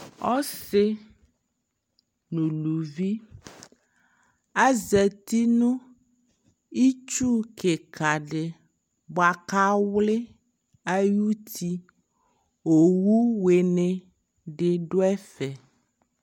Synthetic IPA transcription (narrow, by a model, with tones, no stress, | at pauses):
ɔ˦se˦ | nũ˨lu˨vi˦ | a˦zɛ˨t̪i˦nũ˦ | i˦t͡ʃu˦ke˨kʰa˨ɖe˨ | bɔ˨a˨ka˦wle˦ | a˦ju˦t̪ʰi˦ | o˨wu˦we˨nẽ˨ | ɖe˨ɖo˦ɛ˦fɛ˨